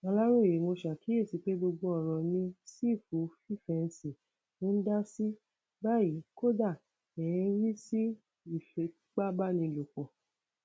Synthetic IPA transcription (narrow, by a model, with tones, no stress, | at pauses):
ɔ̃˧la˦ɾo˦˨je˨˦mo˧ʃa˨ki˨˦e˦˨si˨˧k͡pe˨˦ɡ͡bo˧ɡ͡bo˧ɔ˦˨ɾ̃ɔ̃˨nĩ˧si˦˨fu˨˦fi˦˨fɛ˧n̩˧si˨ | nũ˦da˦si˦ | ba˦˨i˨˦ko˦da˦˨ | ɛ˨jɛ̃˧˦ɾi˦si˦ | i˦˨fɛ˧˨˦k͡pa˦ba˦˨nĩ˧lo˨k͡pɔ˨